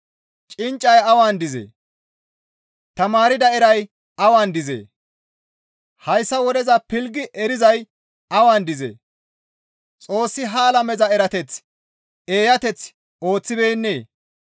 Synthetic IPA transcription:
t͡ʃʼɪnt͡ʃʼːɐjɐwaːnd̪ɪzḛː | t̪ɐmaːɾɪd̪ɐɛɾɐj | ɐwaːnd̪ɪzḛː | hɐjsːɐwɔd̪ɛzɐpɪlɡɪʔɛɾɪzɐj | ɐwaːnd̪ɪzḛː | t͡sʼo̞ːsːɪɦaːlɐmɛzɐɛɾɐt̪ɛt͡s | e̞ːjɐt̪ɛt͡s | o̞ːt͡sːɪbeːnːeː

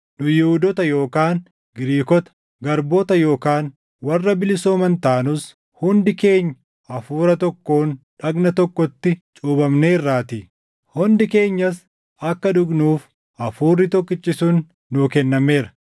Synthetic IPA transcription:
nʊjɪhʊd̪ɔt̪ɐjo̞ːkaːn | ɡɪɾiːkɔt̪ɐ̥ | ɡɐɾboːt̪ɐjo̞ːkaːn | wɐrːɐbɪlɪsoːmɐnt̪aːnʊs | hʊnd̪ɪke̞ːɲː | ɐfuːɾɐt̪ɔkːo̞ːnᶑɐɡnɐt̪ɔkːɔt̪ːɪt͡ʃʼuːbɐmne̞ːɪrːaːt̪ɪ | hʊnd̪ɪke̞ːɲːɐs | ɐkːɐᶑʊɡnuːf | ʔɐfuːrːɪt̪ɔkːɪt͡ʃːɪsunː | uːkɛnːɐme̞ːɾɐ̥

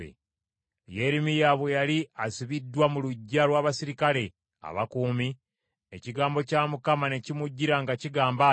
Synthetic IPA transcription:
ḛ | je̞ɾimijaβwejaliasiβidːwamuluɟːalwaːβasiɾikale̞ | a̰βa̰kuːmi | eciɡaːmbo̞caːmukamane̞cimuɟːiɾaŋɡaciɡaːmba

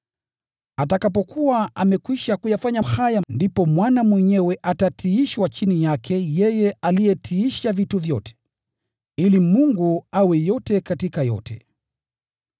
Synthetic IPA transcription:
atakapɔkuwaamɛkwiʃakujafaɲahajandipɔmwanamwɛɲɛwɛʔatatʰiiʃwat͡ʃinijakʰɛjɛjɛalijɛtʰiiʃavituvjɔtɛ̥ | ilimuŋɡuawɛjɔtɛkatikajɔ̰tʰɛ̰

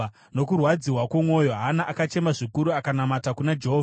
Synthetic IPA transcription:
no̞kurwad͡ziwakwomwo̞jo̞ɦanaʔakat͡ʃe̞maʐikuɾuakanamatakunad͡ʒeɦova

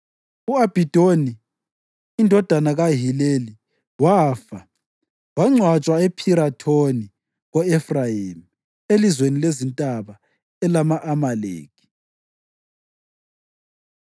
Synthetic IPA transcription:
uab̥ʱid̥ʱoniː | ndʱɔd̥ʱanaɣaɦileli | waːfa | waŋ͡ǀʱwat͡ʃʼwaepʰiɾatʰoni | ɣɔɛfrajim | elizwenilezintʼaβa | ɛlamaʔːmalḛːkʰi̥

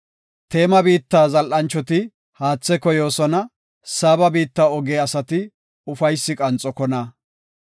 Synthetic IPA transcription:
t̪e̞ːmɐbiːt̪ːaːzɐlʔɐnt͡ʃːɔt̪ɪ | haːt͡sːɛkɔjo̞ːsɔnɐ | saːbɐbiːt̪ːaːɔɡeːɐsɐt̪ɪ | ʊfɐjsːɪkʼɐnt͡sʼːɔkɔnɐ

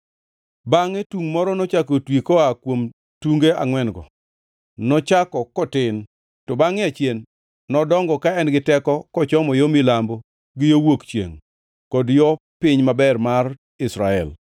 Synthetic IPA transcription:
baŋɛtuŋmɔɾɔnɔt͡ʃakotwikɔakwom | tuŋɡea̰ŋwɛnɡɔ̰ | nɔt͡ʃakɔkɔtɪn | tɔbaŋɪat͡ʃjenː | ɔdɔŋɡɔkaɛnɡɪtɛkɔkɔt͡ʃɔmɔjomilambo | ɡɪjowokt͡ʃjḛŋ | kɔdjɔpɪɲmabɛrmar | ɪsɾaɛ̰l

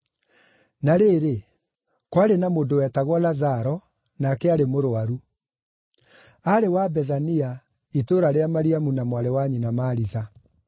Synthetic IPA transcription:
naɾeːɾe | kwaɾenamoːdowɛtaɣwɔlazaɾɔ | nakɛaɾemoɾoaɾu | aɾewabɛðania | itoːɾaɾeamaɾiamunamwaɾɛwaɲinamaːɾiða

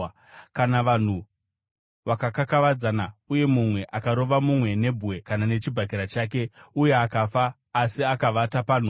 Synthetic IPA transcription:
kanaʋan̤u | ʋakakakaʋad͡zanauje̞mumwe̞ʔakaɾo̞ʋamumwe̞ne̞bʱuwe̞kanane̞t͡ʃibʱak̬iɾat͡ʃaːke̞uje̞akafaː | siakaʋatapaːn̤u

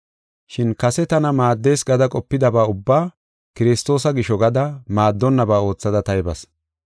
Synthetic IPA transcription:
ʃɪnkɐsɛt̪ɐnɐmaːd̪ːe̞ːsɡɐd̪ɐkʼɔpːɪd̪ɐbaːʊbːaː | kɪɾɪst̪o̞ːsɐɡɪʃɔɡɐd̪ɐmaːd̪ːɔnːɐbaːo̞ːt͡sːɐd̪ɐt̪ɐjɪbɐs

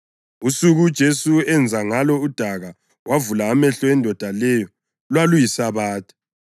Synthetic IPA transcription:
usuɣud̥ʒ̥ʱesuɛnd͡zʱaŋalɔud̥ʱaɣa | wʔavulaːmɛɬɔɛndʱɔd̥ʱalɛjɔ | lwalujisaβaːtʰʼḁ

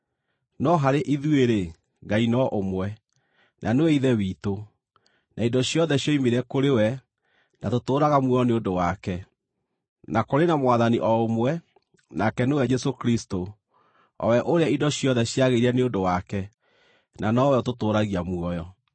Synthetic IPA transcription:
nɔɦaɾeʔiðweɾe | ŋɡainɔʔomwɛ | nʔanoweiðɛwiːto | nʔaindɔɕjɔðɛɕjɔimeɾɛkoɾewɛ | natotoːɾaɣamwɔjɔneondowakɛ | nakoɾenamwaðaniʔɔomwɛ | nakɛnewɛd͡ʒɛsokɾisto | ɔ̰wɛʔoɾeaidɔɕjɔðɛɕjaɣeiɾiɛneodowakɛ | nanɔwɛɔtotoːɾaɣiamuɔjɔ

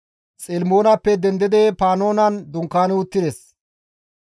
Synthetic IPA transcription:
sʼɛlmo̞ːnɐpːɛd̪ɛnd̪ɪd̪ɛpaːno̞ːnɐnd̪ʊŋkːaːnʊt̪ːɪd̪ɛs

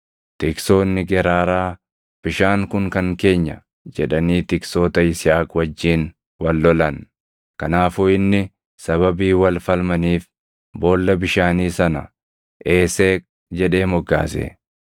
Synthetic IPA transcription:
t̪ɪkso̞ːnːɪɡɛɾaːɾaː | b̥ɪʃaːŋkʊŋkɐŋke̞ːɲːɐ̰ | d͡ʒɛᶑɐniːt̪ɪkso̞ːt̪ɐɪsɪjaːkʼwɐd͡ʒːiːn | wɐlːɔlɐn | kɐnaːfʊːɪnːɪ | sɐβɐbiːwɐlfɐlmɐniːf | bo̞ːlːɐbɪʃaːniːsɐnɐ | ʔe̞ːseːk̚ʼ | d͡ʒɛᶑe̞ːmɔɡːa̰ːsḛː

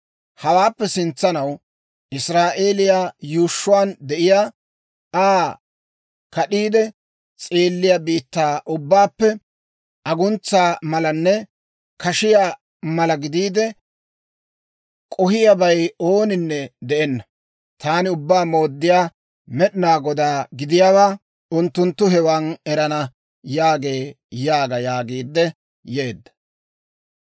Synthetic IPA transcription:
hɐwaːpːɛsɪnt͡sːɐnɐw | ɪsɾaːʔeːlɪjaːjuːʃːʊwaːnd̪ɛʔɪjaː | aː | kɐɗiːd̪ɛ | t͡sʼeːlːɪjabiːt̪ːaːʔʊbːaːpːɛ | ɐɡʊnt͡sːaːmɐlɐnːɛ | kɐʃɪjaː | mɐlɐɡɪd̪iːd̪ɛ | kʼɔhɪjɐbɐjoːnɪnːɛd̪ɛʔɛnːɐ | t̪aːnɪʊbːaːmo̞ːd̪ːɪjaː | mɛɗɪnaːɡɔd̪aːɡɪd̪ɪjaːwaː | ʊnt̪ːʊnt̪ːʊɦɛwanɛɾɐnɐ | jaːɡe̞ː | jaːɡɐjaːɡiːd̪ːɛ | jeːd̪ːɐ̥

